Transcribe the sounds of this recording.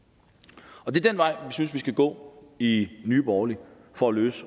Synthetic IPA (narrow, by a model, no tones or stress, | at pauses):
ɒ̽d̥e̝ɐd̥enʋɑ̈ɪ̰ʋisynsʋisɡ̥æɡ̥ɔ̰̽ːinyːb̥ɒːli | fɒ̽æløːs